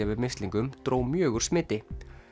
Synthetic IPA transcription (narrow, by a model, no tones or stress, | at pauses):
avɪðmɪst̪liŋkʏmt̪ɾoːwmjœːɣʏɾ̥smɪːt̪ɪ